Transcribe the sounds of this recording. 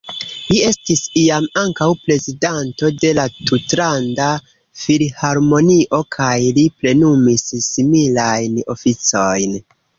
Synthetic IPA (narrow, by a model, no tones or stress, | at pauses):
lie̞stisiamaŋkawpɾe̞zidanto̞de̞latutɾanda | filhaɾmo̞niʔo̞kʰajlipɾe̞numissimilajno̞fit͡so̞jn